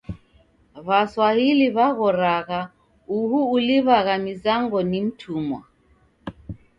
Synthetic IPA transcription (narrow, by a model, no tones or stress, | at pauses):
βaswahiliβaɣɔɾaɣa | uɦuːliβaɣamizaŋɡɔnim̩tʰumwa̰